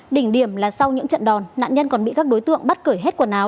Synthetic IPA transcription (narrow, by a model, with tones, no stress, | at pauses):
ɗï˧˩ŋ̟ɗi˧˩əmlaː˨˩sa˧wɲɨ̰˧˥ŋt͡ɕə̰˧˨nɗɔ˨˩nna̰ː˧˨nɲə˧nkɔ˨˩nɓḭ˧˨kaː˦˥k̚ɗo˨˦jt̪ɨ̰˧˨əŋɓa˦˥t̚kəː˧˩jɦe˦˥t̚ku˧˩ənaː˨˦w